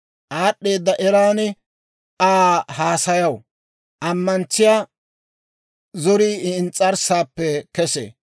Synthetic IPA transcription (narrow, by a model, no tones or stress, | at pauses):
ʔaːɗːe̞ːd̪ːɐʔɛɾaːnɪ | ʔaːhaːsɐjɐw | ʔɐmːɐnt͡sːɪjaː | zɔɾiːɪnt͡sʼːɐɾsaːpːɛkɛsḛː